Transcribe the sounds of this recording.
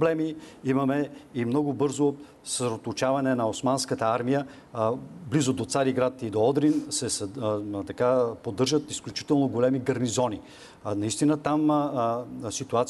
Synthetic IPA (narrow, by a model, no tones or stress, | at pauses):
blɛmiimɐmɛimnɔɡʊbɤɾzo | səsɾɛot̪ot͡ʃavɐnɛnɐosmanskət̪əaɾmijə | blizod̪ot̪saɾiɡɾat̪id̪oɔd̪ɾinsɛst̪ɐkapod̪ːɤɾʒət̪isklʲut͡ʃi̥t̪ɛlˠnoɡolɛmiɡɐɾnizɔni | nɐist̪inət̪am | sit̪uat̪s